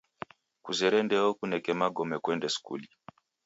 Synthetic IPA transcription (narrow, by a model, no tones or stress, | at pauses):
kuzɛɾɛndɛɔkunɛkɛmaɡɔmɛkwɛndɛsu̥kṵli